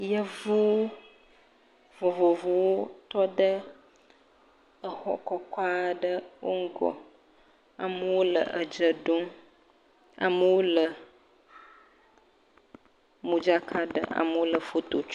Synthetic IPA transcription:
jə˦vu˦ | vo˨vo˨vo˨wo˦t̪ɔ˦ɖə˦ | ə˨xɔ̰˦kɔ˦kʷa˦ɖə˦wʔo˦ŋ̩˦ɡɔ̰˨ | a̰˨mə˦wo˦lə̰˨ʔə˨d͡ʒə˨ɖo˦ŋ | a̰˨mə˦wo˦lə˨ | mũ˨d͡ʒa˦kʰa˦ɖə̰˦ʔa̰˨mə˦wo˦lə˨fo˦t̪o˨t͡ʃu˦

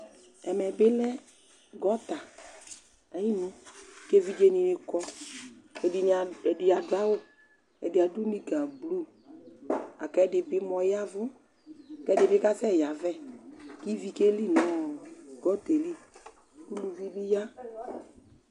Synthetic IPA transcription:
ɛ˨mɛ˨bɪ˦lɛ˦ | ɡɔ˦t̪a˨ | a˨ji˦nu˦ke˦vi˦d͡ʒe˧ni˨nɪ˨kɔ˧ | ɛ˨ɛ˨dɪ˨ja˨dwa˦wo˦ | ɛ̰˨dɪ˨a˨du˦ni˦ɡa˨blu˦ | a˨kɛ˦dɪ˧bɪ˦mɔ˨ja˦vʊ˦˨ | kɛ˦dɪ˨bɪ˦ka˦sɛ˦˨ja˨vɛ˦˨ki˦vi˧ke˦li˦nɔ˦˨ɡɔ˦te˨li˦ | u˦lu˨vi˦bi˦ja˦

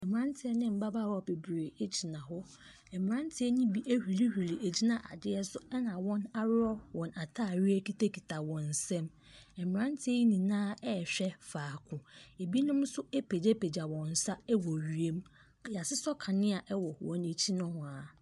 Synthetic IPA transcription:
ɛ˨m˨ɾã˦n˦tʰɪ˨˦ɛ˦nɪ̃˦m̩˨ba˦ba˦˨ɾɔ˨be˨bɾeː˨e˦t͡ɕʰi˨nã˨ɦʊ˦ | ɛ˨m˨ɾã˦n˦tʰɪ˦ɛ˦nĩ˦bi˦ʔe˦hᶣi˨li˦hᶣu˨li˨e˨d͡ʑi˦nã˨ʔa̰˨dɪ˦ɛ˦sʊ˦ɛ˦nã˨wɔ̃˦na˦ɾɔ˦wɔ̃˨na˨tʰaː˦˨ɥi˦æ˦ki˦te˦kʰi˨tʰa˨wɔ̃˨n̩˨sɛ̃˦m | ɛ˨m˨ɾã˦n˦tʰɪ˦ɛ˦ji˦nĩ˨nãː˦ɛ˦˨ɕᶣɛ˦faː˨kʰʊ̃˨e˨bi˦nʊ̃˦m˦sʊ˦e˦pʰe˨d͡ʑɛ˦pʰe˨d͡ʑa˨wɔ̃˨n̩˨sa˦ɛ˦wɔ˨ɥi˨e˦m | ja˨sɪ˦sɔ˦kʰa˨nɪ̃˦a˨ʔɛ˦wɔ˨wɔ̰̃˨ne˨t͡ɕʰi˦nʊ̃˦hʊ̃˨a˨

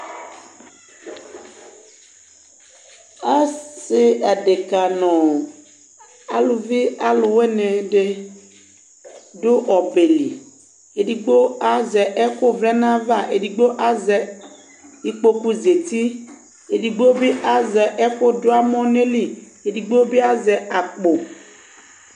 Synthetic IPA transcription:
a˦se˦a˨ɖe˨ka˨nɔ̃˨ | a̰˨lo˨vi˦a˦lʊ˨we˦nɛ̃˨ɖe˦ | ɖo˦ɔ˨be˨li˨ | e˨ɖi˨ɡ͡bo˦a˦zɛ˨ʔɛ˦ko˦vlɛ˦nã˦va˦ʔe˨di˨ɡ͡bo˦ʔa˦zɛ˨ | i˦k͡po˦ku˦ze˨t̪i˦ | e˨ɖi˨ɡ͡bo˦bi˦ʔa˨zɛ˨ʔɛ˦ko˦do˦a˦mɔ̃˦ne˦li˦ | e˨di˨ɡ͡bo˦be˦a˦zɛ˨a˨k͡po˨

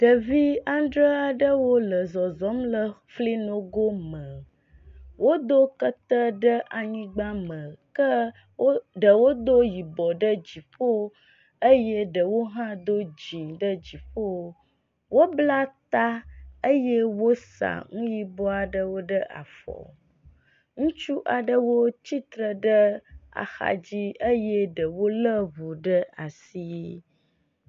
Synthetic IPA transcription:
ɖ̥ə˨vi˦a˦nɖɾə˦a˨ɖə˦wo˦lə˨zɔ˨zɔ˦mlə˦fli˦nõ˦ɡo˦mə˨ | wo˦d̪o˦kə˦t̪ə˦ɖə˦ʔa˨ɲĩ˦ɡ͡ba˦mə̃˨kə˦ | wo˦ɖə˨wo˦d̪o˦ji˨bɔ˨ɖə˦d͡ʑi˨ɸo˦ | ə˦je˦ɖə˨wo˦ɦã˦d̪o˦d͡ʑĩ˨ɖə˦d͡ʑi˨ɸo˦ | wo˦bla˦t̪a˦ə˦je˦wo˦sa̰˨ŋũ˦ji˦bɔ˦a˨ɖə˦wo˦ɖə˦ʔa̰˨fɔ̰˨ | ŋũ˦t͡ʃu˦ʔa˨ɖə˦wo˦t͡ɕi˦t̪ɾə˨ɖə˦a̰˨xa̰˨d͡ʑi˦ə˦jɛ˦ɖə˨wo˦lə˦βu˨ɖə˦a˨si˦

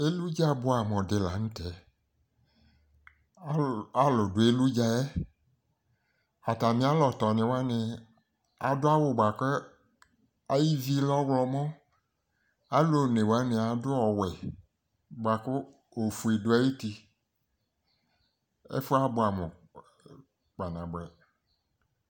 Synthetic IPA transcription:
e˦lu˦d͡ʒa˦bʊ˦a˨m˨ɔ̃˨dɪ˨la̰˨ŋ̩̃˦tɛ˨˦ | a˦lʊ˨dʊ˨e˦lu˦d͡ʒa˦ɛ˦ | a˨t̪a˨mĩ˦a˦lɔ˨t̪ɔ˨nɪ̃˨wa˦nɪ̃˨ | a̰˨dʊ˦a˦wʊ˦ɡ͡ba˨ke˦ | a˨ji˦vi˦lɔ˦wlɔ˨mɔ̃˦ | a˦lo˨ne˨wa˦mĩ˨a˨dʊ˦ɔ˨wɛ˨ | ɡ͡ba˨kʊ˦ | o˨fu˨e˨dʊ˨˦a˦ji˦ti˦ | ḛ˦fʊ˦a˦bʊ˨˦a˨mɛ˨ | k͡pa˨nã˨ɡ͡bɛ˨

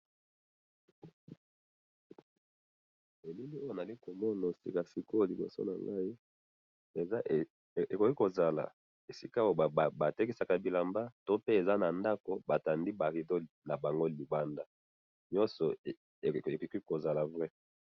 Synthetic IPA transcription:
e˨li˦li˦o˦jo˦˨na˨li˦ko˨mɔ˦na˨sḭ˨ka˨si˨ko˦˨li˨bo̰˨so̰˦na̰˨ŋɡa˦i˦ | e˨za˦˨ | e˨ko˨ki˦ko˨za˨la̰˨ | e˨si˦ka˦o˨ba˨te˦ki˦sa˨ka˨bi˨la˨mba˦to˦pe˦e˨za˦na˨nda˦ko˨ba˨ta˨ndi˦ba˨ʁi˨do˦na˨ba˨ŋɡo˦li˨ba˦nda˦ | ɲɔ˦sɔ˨ | e˨kki˦ko˨za˨la˨vʁɛ˦

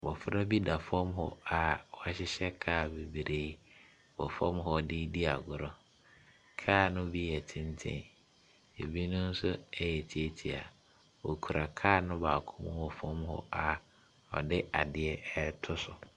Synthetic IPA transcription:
wɔ˨fɾa˦bi˦da˨fɔ̃˦mɦɔ̰˨a˨wɔ˨a˨ɕɪ˦ɕɛ˦kʰaː˦˨be˨bi˨ɾe˦ | wɔ˨fɔ̃˦mɦɔ˨dɪ˦di˦a˨ɡʊ˨ɾɔ˦ | kʰaː˦˨nʊ̃˦bi˦jɛ˨tʰɪ̃˦ntʰɛ̰̃˦˨ | e˨bi˦nʊ̃˦n̩˦sʊ˦ɛ˦jɛ˨tʰi˦e˦tʰi˨a˨ | wɔ˨kʰu˨ɾa˨kʰaː˦˨nʊ̃˦baː˨kʰʊ̃˦mʊ̃˦wɔ˨fɔ̃˦mhɔ̰˦a˨ | ɔ̰˨dɪ˦a˨dɪ˨ɛ˦ɛ˦tʰʊ˦sʊ˨

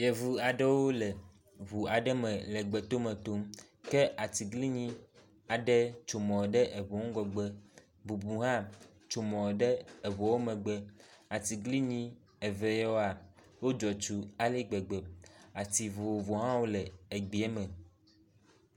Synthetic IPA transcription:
jɛ˨vu˨a˨ɖɛ˦wo˦le˨ | βu˨a˨ɖɛ˦mɛ̃˨lɛ˨ɡ͡bɛ˨t̪o˦mɛ̃˨t̪o˦m | kɛ˦ʔa˨t̪i˨ɡli˦ɲĩ˦ | a˨ɖɛ˦t͡ʃo˨mɔ̃˨ɖɛ˦ʔe˨βɔ˨ŋ̩̃˦ɡɔ˨ɡ͡bɛ˦ | bu˨bu˨ɦã˦ | t͡ʃo˨mɔ̃˨ɖɛ˦e˨βɔ˨wo˦mɛ̃˨ɡ͡bɛ˦a˨t̪i˨ɡli˦ɲĩ˦ | ɛ˨vɛ˨jo˦a˨ | wo˦d͡ʒɔ˨t͡ʃu˨a˨li˦ɡ͡be˨ɡ͡be˨a˨t̪i˨vo˨vo˨ɦã˦wo˦lɛ˨e˨ɡ͡bi˨˦ɛ˦mə̃˨

